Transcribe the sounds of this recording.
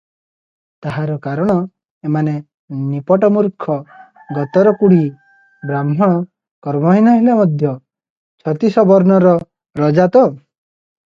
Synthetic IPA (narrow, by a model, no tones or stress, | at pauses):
t̪aɦaɾɔkaɾɔɽ̃ɔ | emane | nipɔʈɔmuɾkʰɔ | ɡɔt̪ɔɾɔkuɽ̤i | bɾamɦɔɽ̃ɔ | kɔɾmɔɦinɔɦilamɔd̪ʱjɔ | t͡ʃʰɔt̪isɔbɔɾnɔɾɔ | ɾɔd͡ʒat̪ɔ